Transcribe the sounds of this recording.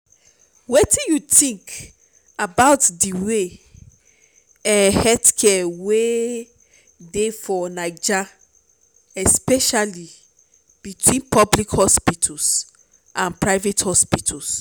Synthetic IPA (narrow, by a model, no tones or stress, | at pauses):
wetĩnjutĩŋk | abaʊtdiwe | ɛhɛdkʰɛwe | defɔnaɪd͡ʒa | ɛspɛʃali | b̥itʰwĩnpɔblikhɔspitʰɔs | ʔãnpɹaɪvethɔspitʰals